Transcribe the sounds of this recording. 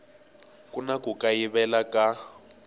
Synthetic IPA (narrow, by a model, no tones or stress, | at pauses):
kʼunakʼukʼajiβɛlakʼa